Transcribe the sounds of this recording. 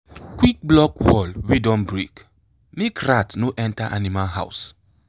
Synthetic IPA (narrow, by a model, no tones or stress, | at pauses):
kwik̚blɔkwɔlwidɔ̃mbɹik | mekɹatnoʔɛ̃ntaʔa̰nimalɦa̰ws